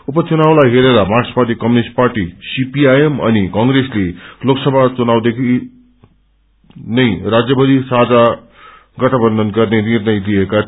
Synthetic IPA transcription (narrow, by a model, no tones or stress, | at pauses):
upʌt͡sunawlajɦeɾeɾʌmarsparʈ̪ikʌmunisʈ̚parʈisipiajemʌ̰nikʌŋɡresleloksʌbʱat͡sunawd̪ekʰi | nʌjrad͡zjʌbʌd̪isad͡za | ɡʌʈʰʌbʌnd̪ʱʌnɡʌrnenirnʌjlijeka